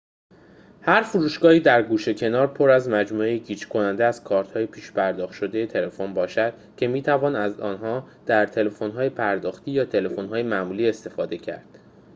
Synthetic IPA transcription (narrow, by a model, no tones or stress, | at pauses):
hæɾfuɾuːʃɡɒːhiːd̪æɾɡuːʃe̞cʰe̞nɒːɾpʰo̞ɾæzmæd͡ʒmuːejeɟiːt͡ʃkʰo̞nænd̪eæz̥kʰɒːɾt̪hɒːjepʰiːʃpʰæɾd̪ɒːxt̪ʃo̞d̪e̞jet̪ʰe̞le̞fonbɒːʃæd̪̥̚ | cʰe̞miːt̪ʰævɒːnæzɒ̰ːnɦɒːd̪̥æɾt̪ʰe̞le̞fo̞nɦɒːjepʰæɾd̪ɒːxt̪ʰiːjɒːt̪ʰe̞le̞fo̞nɦɒːjemæmuːliːe̞st̪e̞fɒːd̪e̞cʰæ̰ɾd̪̥